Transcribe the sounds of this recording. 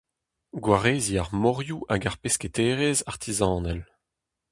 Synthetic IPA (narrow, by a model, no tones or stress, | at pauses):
ɡwaʁeːziaʁmɔʁjuʔaɡaʁpesket̪eːʁezaʁt̪ʰizɑ̃ːnɛl